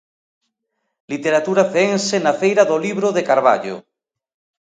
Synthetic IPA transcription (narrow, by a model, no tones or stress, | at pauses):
lit̪eɾat̪uɾafeŋsenafejɾaðoliβɾoðekaɾβa̰ʎo̰